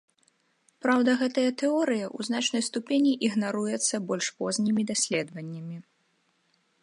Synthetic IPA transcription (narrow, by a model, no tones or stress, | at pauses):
pɾawd̪ɐɣɛt̪ɐjɐt̪ɛɔɾɨjɐʔuznat͡ʂnɐjst̪upʲenʲiʔiɣnaɾujɛt̪sːɐbɔlʲʂpɔzʲnʲimʲid̪asʲlʲɛd̪vɐnʲːɐmʲi